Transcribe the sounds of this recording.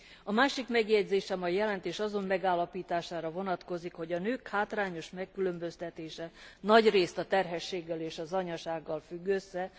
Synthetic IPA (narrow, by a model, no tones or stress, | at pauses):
ɒmaːʃikmɛɡjɛɟzeːʃɛmɒjjɛlɛnt̪eːʃɒzo̞mːɛɡaːlːɒpiːt̪aːʃaːɾɒvo̞nɒt̪ko̞zikho̞ɟɒnøːkhaːt̪raːɲo̞ʃmɛkːylø̞mbø̞st̪ɛt̪eːʃɛnɒɟreːst̪ɒt̪ɛrɦɛʃːeːɡːɛleːʃɒzɒɲɒʃaːɡːɒlfyɡːøsːɛ